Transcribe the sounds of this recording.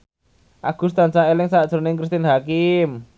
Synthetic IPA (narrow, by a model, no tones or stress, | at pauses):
ʔaɡ̥ṳst̪ant͡ʃaelɪŋsad̥ʒ̥oɾnɪŋkɾist̪ɪnɦakɪm